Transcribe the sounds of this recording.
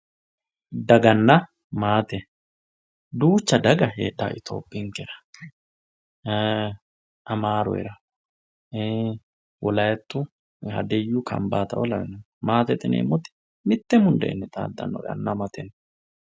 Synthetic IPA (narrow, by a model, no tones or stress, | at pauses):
d̪ɐɡɐnːɐ | maːt̪ɛ | d̪uːt͡ʃːɐd̪ɐɡɐɦḛːd̪ːa̰ːʔɪt̪ʰo̞̰ːpʼːɪŋkɛɾɐ̥ | ʔɐmaːɾɔ̰ɪ̰ɾɐ | wɔlɐjɛt̪ːʊ | hɐ̰d̪ɛjːukʰɐ̰mbaːt̪ɐ̰wɔlɐwɛnɐ | maːt̪ɛt̪ʼɪnḛːmːɔt̪ːɪ̥ | mɪt̪ːɛmʊnd̪ɛʔːnːɛt̪ʼa̰ːd̪ːɐ̰nːɔ̰ɡɐ̰nːɐmɐt̪ɛn